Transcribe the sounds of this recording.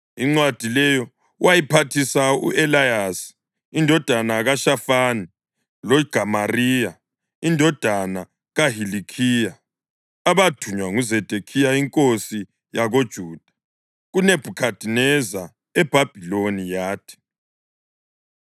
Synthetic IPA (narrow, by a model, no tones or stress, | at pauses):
iŋ͡ǀwad̥ʱilɛjɔ | wʔajipʰatʰisaṵʔɛlajasi̥ | indʱɔd̥ʱanaɣaʃafani | loiɡ̥ʱamariːja | indʱɔd̥ʱana | ɣaɦilikʰija | aβatʰuɲwaŋuzed̥ʱekʰijaiŋkʼosi | jaɣod̥ʒ̥ʱuːd̥ʱḁ | ɣuneb̥ʱukʰad̥ʱinɛza | ɛb̥ʱab̥ʱilonijaːtʰi̥